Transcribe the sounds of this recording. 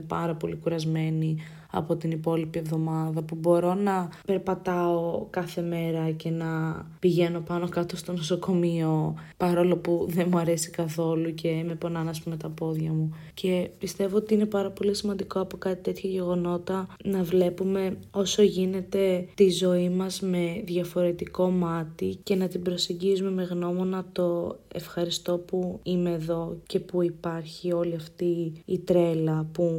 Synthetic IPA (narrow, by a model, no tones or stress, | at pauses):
pɐɾɐpo̞likuɾɐzme̞ni | ɐ̰po̞t̪inipo̞lipie̞vðo̞mɐðɐpubo̞ɾo̞nɐpe̞ɾpɐt̪ɐokɐθe̞me̞ɾɐce̞nɐpiʝe̞no̞pɐno̞kɐt̪o̞st̪o̞noso̞ko̞mio̞pɐɾo̞lo̞puðe̞muɐɾe̞si̥kɐθo̞luce̞mepo̞nɐnɐspumet̪ɐpo̞ðʝɐmu | cʰe̞pist̪e̞vo̞ot̪iinepɐɾɐpo̞lisimɐnd̪iko̞ɐpo̞kɐt̪it̪e̞t̪çɐʝe̞ɣo̞no̞t̪ɐnɐvle̞pume̞o̞so̞ʝine̞t̪e̞t̪izo̞imɐzme̞ðʝɐfo̞ɾe̞t̪iko̞mɐt̪ice̞nɐt̪ibɾo̞seɲɟizume̞me̞ɣno̞mo̞nɐt̪o̞e̞̰fxɐɾist̪o̞puime̞ːðo̞ce̞puipɐɾçio̞liɐft̪iːt̪ɾe̞lɐpu